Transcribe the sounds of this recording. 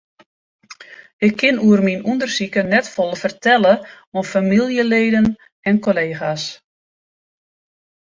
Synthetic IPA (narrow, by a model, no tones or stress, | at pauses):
ɪkʰːɪnuərminundərsikənɛtfolˠəfərtʰɛlə | ofamilˠjəleːdən | ɛnkoleːxas